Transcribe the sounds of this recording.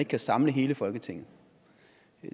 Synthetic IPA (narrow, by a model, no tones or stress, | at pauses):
e̝ɡ̥kʰæsɑ̈mləɦe̝ːləfɒ̽lɡ̥ət͡sʰe̝ŋ̰ð̩ˠ